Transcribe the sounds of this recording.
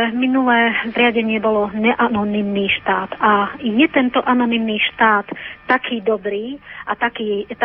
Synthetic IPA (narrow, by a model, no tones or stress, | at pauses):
minulɛːzɾɪaɟɛɲɪɛbɔlɔɲɛʔanɔnimniːʃt̪aːt̪ajɛt̪ɛnt̪ɔʔanɔnimniːʃt̪aːt̪ːakʰiːd̪ɔbɾiːʔat̪akiːt̪